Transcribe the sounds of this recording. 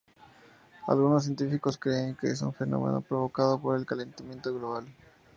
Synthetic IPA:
a̰lɣunos̬ːje̞nt̪ifiko̞skɾeːŋkeesṵɱfeno̞̰mḛno̞̰pɾoβo̞kaðopo̞ɾe̞lkale̞nt̪amje̞nt̪oɣlo̞βal

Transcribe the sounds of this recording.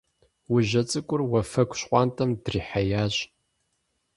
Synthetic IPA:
wʊʑɐt͡sʼɨkʷʼʊrwɐfɐkʷʰʼɕqʷʼɑːntʰʼɐmdriːħajaːʑ

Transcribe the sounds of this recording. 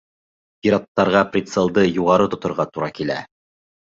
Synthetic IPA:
piɾɑt̪ːɑɾʁɑprʲit̪selˠd̪ɤjuʁɑɾɤt̪ŏt̪ŏɾʁɑt̪uɾɑkilæ̰

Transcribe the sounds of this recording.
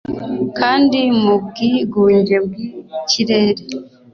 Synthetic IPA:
kʰaːndimubɡiɡuːɲɟeb̚ɡiciɾeːɾe

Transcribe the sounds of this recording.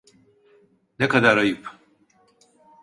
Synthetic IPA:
nekad̪aɾajɯp

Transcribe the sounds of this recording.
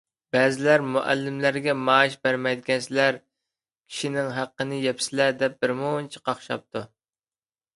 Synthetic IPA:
b̥ɛːzɪlæɾmuʔæ̰lːɪmlæɾɡʲɛmɑːʃbæɾmɛjd̪ɪɡʲɛnsɪlæɾ | kʲʰi̥ʃinɪŋɦæqːənɨjɛpsɪlæd̪ɛp̚bɪɾmunt͡ʃʰi̥qʰɑχʃɑ̰p̚t̪ʰu

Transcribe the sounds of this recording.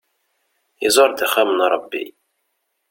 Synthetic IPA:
izˤoɾˤd̪iχæmənɾˤɑbːḭ

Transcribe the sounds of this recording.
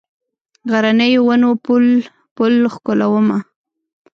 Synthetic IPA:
ɣaɾanəjwanopul | pʊlxkolawəma

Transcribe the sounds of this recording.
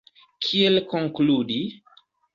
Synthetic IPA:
kʰielkoŋkludi

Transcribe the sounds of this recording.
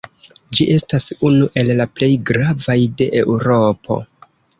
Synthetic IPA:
d͡ʒiʔe̞stasunuʔe̞llaple̞jɡɾavajde̞ʔeuɾo̞pʰo̞̰

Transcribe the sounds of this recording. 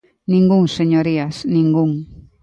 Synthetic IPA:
nĩŋɡuŋseɲoɾiasnĩŋɡuŋ

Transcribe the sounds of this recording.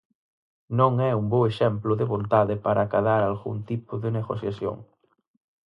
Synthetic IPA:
nõŋɛumboeʃɛmplʊðeβõnt̪aðɪpaɾʔaːkaðaɾalɣṵnt̪ipʊðɪneɣosjasjo̰ŋ

